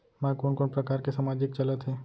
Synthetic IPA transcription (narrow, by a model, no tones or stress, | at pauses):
mãkoːnkoːnpɾɐkaːɾkesamaːd͡ʒɪk̚t͡ʃɐlət̪ɦɛː